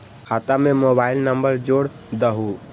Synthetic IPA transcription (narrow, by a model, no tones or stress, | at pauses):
hʰat̪amemobaɪlnəmbəɾd͡ʒoɽ | d̪əɦu